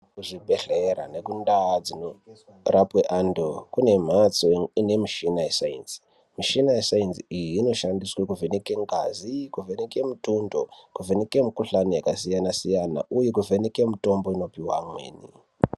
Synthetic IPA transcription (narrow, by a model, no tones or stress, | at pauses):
kuʐibʱeɬeɾa̰ne̞kundad͡zino | rʔapweʔandokune̞m̤at͡soine̞miʃinajesaḭnsi̥ | miʃinaesainsiijiːno̞ʃandiswekuvenekeŋɡa̰zikuvenekemutundo̞kuveneke̞mikuɬanijakasijanasijana̰ʔujek̬uvʱenekemuto̞mbo̞ino̞piwa̰mwḛːnḭ